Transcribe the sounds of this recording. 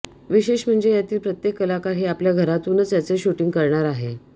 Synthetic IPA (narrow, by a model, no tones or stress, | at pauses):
ʋiɕeɕm̤əɳd͡zejat̪iːlpɾət̪jekːəlakaɾɦiapljaɡʱəɾat̪uːnət͡sjat͡seɕuʈiŋɡkəɾɳaɾaɦe